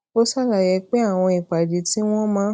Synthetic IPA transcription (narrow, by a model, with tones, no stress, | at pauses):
o˦sa˦la˨jɛ˧k͡pe˦a˦˨w̃ɔ̃˧i˨k͡pa˨di˨˦ti˦w̃ɔ̃˦mãː˨˦